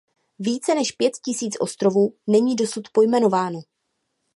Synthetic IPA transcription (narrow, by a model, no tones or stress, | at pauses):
viːt͡sɛnɛʃpjɛt̪cɪsiːt͡sʔo̞st̪ɾo̞vuːnɛɲiːdo̞sut̪po̞jmɛno̞vaːno